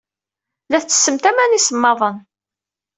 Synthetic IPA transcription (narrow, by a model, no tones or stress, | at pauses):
læθt͡sːə̥sːəmt̪æmænisəmːɑðˤən